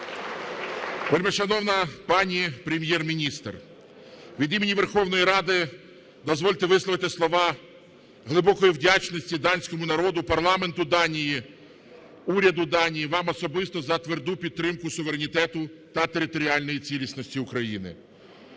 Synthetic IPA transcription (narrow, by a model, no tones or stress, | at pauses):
peɾʲmiʃɐnɔwnɐpɑnʲipɾʲemʲjɛrmʲinʲist̪r | ʋʲid̪imenʲiʋerxɔwn̪ɔjiɾɑd̪ɪ | d̪ɔzʋɔlʲt̪ɪʋɪsˠɔʋɪt̪ɪslˠɔʋɑ | ɦlˠɪbɔkɔjiwdʲat͡ʃnɔsʲtʲid̪ɑnʲsʲkɔmʊnɐɾɔd̪ʊpɐrlˠɑment̪ʊd̪ɑnʲiji | uɾʲɐd̪ʊd̪ɑnʲijiʋɑmɔsɔbɪst̪ɔzɐt̪ʋerd̪upʲid̪̚ɾɪmkʊsʊʋeɾenʲit̪ɛt̪ʊt̪ɐt̪eɾɪt̪ɔɾʲiɑlʲnɔjit͡sʲilʲisnɔsʲtʲiʊkɾɐjinɪ̰